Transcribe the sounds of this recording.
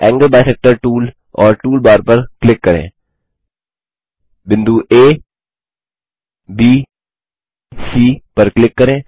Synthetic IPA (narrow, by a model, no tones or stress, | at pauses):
ɛ̃ːŋɡəɾbaːɪsɛːk̚ʈəɾʈuːl | ɔːɾʈuːlbaːɾpɐɾklɪkːɐɾḛ̃ː | bɪ̃nd̪uːʔeː | biː | siːpɐɾklɪkːɐɾẽː